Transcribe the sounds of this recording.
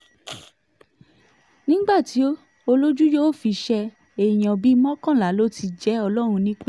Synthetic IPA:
nĩ˦ɡ͡ba˦˨ti˨˦o˦ | o˧lo˦d͡ʒu˦jo˦o˦˨fi˧ʃɛ˧ | e˨j̃ã˨bi˦mɔ̃˦kã˦˨la˨˦˨lo˦ti˧d͡ʒɛ˨˦ɔ˧lɔ˦ɾ̃ũ˧nĩ˦k͡p

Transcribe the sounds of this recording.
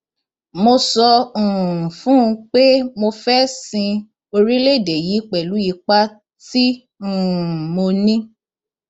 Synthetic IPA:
mo˧sɔ˧ũ˨fũ˦ũ˧k͡pe˦mo˧fɛ˦sĩ˧ | o˧ɾi˦le˦˨de˨ji˨˦k͡pɛ˨lu˨˦ji˧˦k͡pa˦ | ti˦ | ũ˨mo˧nĩ˦

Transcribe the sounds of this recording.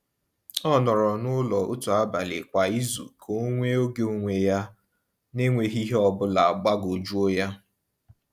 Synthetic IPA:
ɔ˦nɔ˨ɾɔ˨nʊ˦lɔ˨ʔo˦tu˨a˦ba˨lɪ̰˨kʷa˨i˦zṵ˨kʰo˨˦ŋʷe˦o˦ɡe˦o˦ŋʷe˨ja˦ | ne˦ŋʷe˨ɦi˦ɦe˦ɔ˨bʊ˦la˨a˨ɡ͡ba˦ɡo˨d͡ʒu˦o˦ja˦

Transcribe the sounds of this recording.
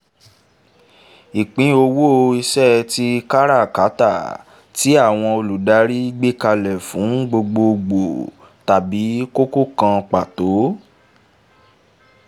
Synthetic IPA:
i˨k͡pĩ˨˦o˧wo˦˧i˧sɛ˦˧ti˦ka˦ɾa˦˨ka˨˦ta˦˨ | ti˨˦a˦˨w̃ɔ̃˧o˧lu˨da˨˦ɾi˦i˦ɡ͡be˦ka˧lɛ˨fũ˨˦ɡ͡bo˧ɡ͡bo˧ɡ͡bo˨ | ta˨bi˨˦ko˦ko˦kã˧k͡pa˨to˨˦

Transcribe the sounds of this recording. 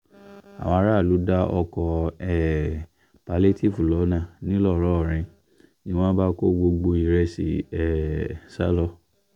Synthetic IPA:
a̰˨w̃ɔ̃˧a˧ɾa˦˨lu˨˦da˦ɔ˧kɔ˧ɛ˦˨ | pa˨˦le˦ti˦˨fu˨lɔ˨˦nã˦˨nĩ˦lɔ˦˨ɾɔ˨˦ɔ˨ɾ̃ĩ˧ | nĩ˦w̃ɔ̃˦ba˦ko˦ɡ͡bo˧ɡ͡bo˧i˨ɾɛ˧sḭ˨ɛ˨sa̰˦lɔ˧˦

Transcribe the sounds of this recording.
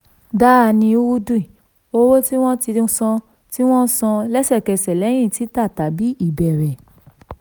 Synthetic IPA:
da˦a˧˨nĩ˧˦wu˦du˦i˨ | o˧wo˦ti˦w̃ɔ̃˦tĩ˧˦sɔ̃˧ | ti˦w̃ɔ̃˦sɔ̃˧lɛ˦sɛ˦˨kɛ˧sɛ˨lɛ˨˦j̃ĩ˦˨ti˨˦ta˦˨ta˨bi˨˦i˦˨bɛ˨ɾɛ˨

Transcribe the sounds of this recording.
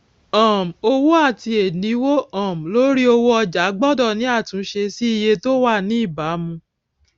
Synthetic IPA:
ɔ̃˨m˨o˧wo˦a˦˨ti˧e˨nĩ˨˦wo˦ã˦˨m̩˨lo˨˦ɾi˦o˧wo˦ɔ˧d͡ʒa˨˦ɡ͡bɔ˦˨dɔ˦˨nĩ˨˦a˦˨tũ˨˦ʃe˧si˦i˦˧je˧to˦wa˦˨nĩ˦i˦˨ba˨˦mũ˧

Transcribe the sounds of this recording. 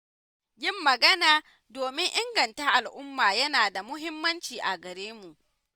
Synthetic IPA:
jʲɪ˦˨mːɐ˨ɡɐ˦naː˨ | doː˨mɪ˦ŋʔɪ˦ŋɡɐ˨ntaː˦ʔa˨lʔʊ˦mːaː˨jɐ˦naː˨da˨mʊ˦ɦɪ˦mːɐ˦nt͡ʃiː˨ʔa˨ɡɐ˨ɾeː˦mu˨ʔ

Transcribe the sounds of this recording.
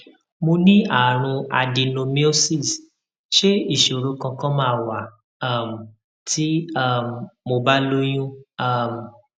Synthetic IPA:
mo˧nĩ˦a˦˨ɾ̃ũ˧a˧di˧nõ˧mi˦o˦si˦˨s | ʃe˦i˦˨ʃo˨ɾo˨˦kã˧kã˦mãː˦˧˦wa˨˦˨ | m˨ | tʰi˦a˦˨mmo˧ba˦lo˦j̃ũ˦a˦˨m˨

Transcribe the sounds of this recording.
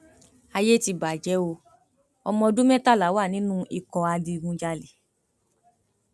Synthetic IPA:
a˧je˦ti˧ba˨d͡ʒɛ˨˦o˧ | ɔ˧mɔ̃˧dũ˦mɛ̃˦ta˦˨la˨˦wa˦˨nĩ˨˦nũ˦i˧kɔ̃˧a˧di˧ɡũ˧˦d͡ʒa˧le˨

